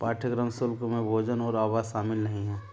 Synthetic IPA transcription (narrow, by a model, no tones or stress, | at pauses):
paːʈʰəɡɾəmsʊlkmẽbʱoːd͡ʒənɔːɾaːbaːzʃaːmɪlnəɦĩɦɛ̃ː